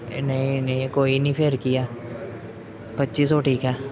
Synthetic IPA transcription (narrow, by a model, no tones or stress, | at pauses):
nɐɦĩneĩkoːinĩpʰeːɾkijaː | pɐtːʃis̬oːʈʰiːkɦɛː